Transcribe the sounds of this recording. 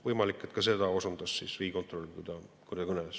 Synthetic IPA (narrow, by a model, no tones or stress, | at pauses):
vɤjmɑlikːˑet̪kɑse̞d̪ɑosund̪̥ɑsːiːsriːko̞nt̪ˑro̞lʲkud̪̥ɑkurd̪ɑkɯnes